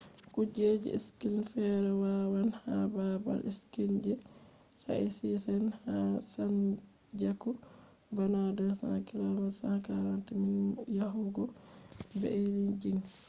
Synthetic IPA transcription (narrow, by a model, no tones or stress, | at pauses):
kud͡ʒed͡ʒḭiskilnfɛɾɛwawanhababa̰liskind͡ʒɛ | sa̰isisɛnhasan | d͡ʒakɔ | banadasa̰nakilamalsanakaɾantiminjaɦuɡɔbɛ̰elind͡ʒiŋ